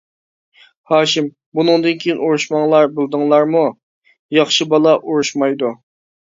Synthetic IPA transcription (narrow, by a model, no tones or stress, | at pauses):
hɑːʃim | bunɨŋd̪ɨnkʲʰejinuɾuʃmɑŋlˠɑɾbɪlˠd̪ɨŋlˠɑɾmu | jɑχʃɨbɑlˠɑʔuɾuʃmɑjd̪u